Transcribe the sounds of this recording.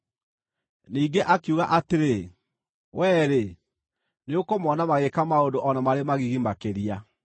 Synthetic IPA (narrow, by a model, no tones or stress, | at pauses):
niːɡeʔakjuɣa̰ʔateɾe | wʔɛːɾe | neokomɔnamaɣekamaondoʔɔnamaɾemaɣiɣimakeɾia